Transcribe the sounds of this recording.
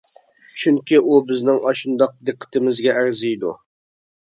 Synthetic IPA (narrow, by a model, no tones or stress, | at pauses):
t͡ʃʰyŋkʲiʔubɪznɪŋɑʃund̪ɑq̚d̪ɨqʰːə̥t̪ʰɪmɪzɡʲɛæɾzijd̪ṵ